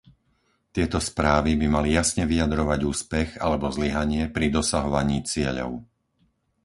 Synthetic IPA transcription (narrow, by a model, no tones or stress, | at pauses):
t̪ɪɛt̪ɔspɾaːʋibimalijasɲɛʋiad̪ɾɔʋaɟuːspɛɣalɛbɔzliɦaɲɪɛpɾid̪ɔsaɦɔʋaɲiːt͡sɪɛʎɔ̰ʊ